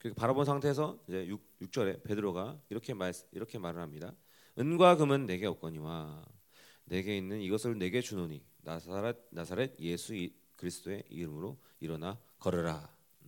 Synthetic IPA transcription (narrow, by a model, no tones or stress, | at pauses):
kɯɾikʰepaɾabonsʰaŋtʰe̞sʰʌid͡ʑe̞jujuk̚t͡ɕ͈ʌɾe̞pe̞dɯɾoɡaiɾʌkʰe̞masiɾʌkʰe̞maɾɯɭɦhamɲida | ɯnɡwaɡɯmɯnːe̞ɡe̞ʌk̚k͈ʌɲiwa | ne̞ɡe̞inːɯniɡʌsʰɯɾone̞ɡe̞t͡ɕunoɲi | naɾt̚nasʰaɾe̞t̚je̞sʰu | kɯɾisʰɯ̥t͈oe̞ḭɾɯmɯɾo | iɾʌna | kʌɾɯɾa